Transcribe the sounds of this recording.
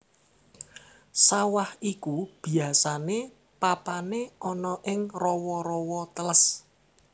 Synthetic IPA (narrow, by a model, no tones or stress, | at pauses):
sawahikub̥i̤asane | papaneʔɔnɔʔɪŋrɔwɔɾɔwɔt̪ələs